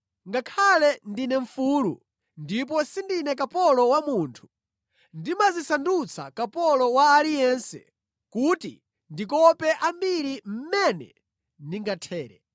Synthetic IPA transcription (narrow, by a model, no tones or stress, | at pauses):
ŋɡakʰalɛndinɛɱfulṵ | ndip̬ɔsindinɛkapɔlɔwamuːntʰu̥ | ndimazisandut͡sʰa̰kapɔlɔwaːlijɛnsɛ̰ | kutḭ | ndikɔpɛʔambiɾim̩mɛnɛ̰ | ndiŋɡatʰɛːɾɛ̰